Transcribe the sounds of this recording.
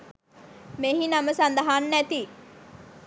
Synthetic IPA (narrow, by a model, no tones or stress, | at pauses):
meɦinɐməsand̪ɐɦaːnːæt̪i